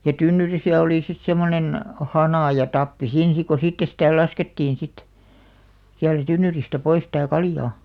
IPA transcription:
jɑ tynːyrisæ oliˑ sit semːonen hɑnɑˑ jɑ tɑpːi siːn̞ sik ko sitːe sitæˑ lɑsketːiːn̞ sit siæltæ tynːyristæ pois tæˑ kɑljɑː

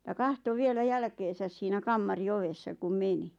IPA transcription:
jɑ kɑhto ʋielæ jælkeːsæs siːnæ kɑmːɑri oʋesːɑ kum meni

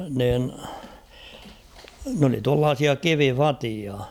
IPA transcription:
niːn n oli tuɑlːɑːsiɑ kiʋifɑtiɑ

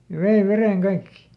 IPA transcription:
jɑ ʋei ʋereŋ kɑikːi

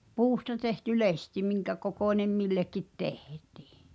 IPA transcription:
puːstɑ tehty lesti miŋkækokoˑnʲem milːekːit tehti̥ː

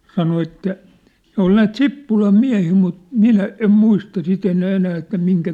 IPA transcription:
sɑno etːæ ne ol næːt sipːulɑm miæ̝hiː mut minæ em muistɑ sit enæː enæː etːæ miŋkæ

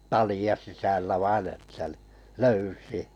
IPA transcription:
tɑliɑ sisælːæ ʋɑin etːæ ni løysiæ̥

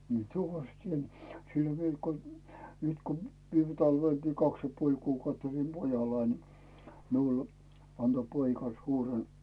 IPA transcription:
mie tuʋɑs tʲien siel ʋiel ko nyt ko ʋiːme tɑlʋelkiː kɑks jɑ puolʲ kuːkɑutː olim pojɑlːɑin ni miul ɑnto poikɑ suːren

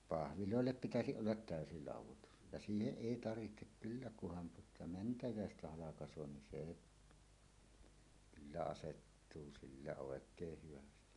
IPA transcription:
pɑhʋiloˑelːep pitæsiʔ ʔolːɑt tæˑøsi lɑˑuwˑotus jɑ siːheʔ ʔeˑi tɑrʋihtek kylːæ kuhɑn tuotɑ mæntæjæˑestæ hɑlɑkɑsˑoː nin seˑ kylːæ ɑsetːuː silːæ oˑekˑeːh hyʋæsti

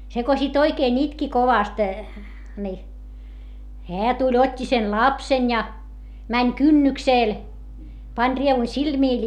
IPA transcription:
se ko sit oikeːn itki koʋɑst ni heæ tulʲ otʲːi sen lɑpsen jɑ mænʲ kynːykseˑl pɑnʲ rieʋu silmiˑl

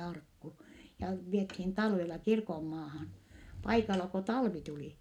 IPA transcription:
ɑrkːu jɑ ʋiethiːn tɑlʋelɑ kirkomːɑːhɑn pɑikɑlɑ ko tɑlʋi tuli

